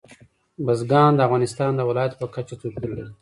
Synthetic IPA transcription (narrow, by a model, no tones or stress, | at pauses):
bazɡɑːnd̪əavɣɑnɪst̪ɑːnd̪əwɪlɑjat̪pəkat͡ʃat͡s̪ukəld̪i